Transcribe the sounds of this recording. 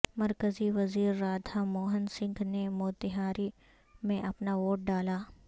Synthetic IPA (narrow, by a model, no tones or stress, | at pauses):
mɐɾkəziʋɐziːɾːaːd̪ʱʰamoːɦənsɪ̃ŋɡnemoːt̪ɪɦaːɾi | mẽʔɐpnaʋoːʈ̚ɖaːlaː